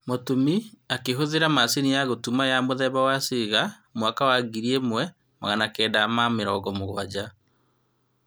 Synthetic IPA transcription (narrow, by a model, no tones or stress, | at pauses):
motumiakeɦoðeɾamasenijaɣotumajamoðɛβawaseɣa | mwakawaɡiɾiemwɛ | ma̰ɣanakɛːdamameɾɔɡɔmoɣwad͡ʑa